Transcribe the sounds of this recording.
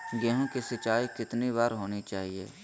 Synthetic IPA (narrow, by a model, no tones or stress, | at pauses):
ɡeɦõːkisɪt͡ʃaːikɪt̪niβaːɾɦoːnit͡ʃaːɦiḛː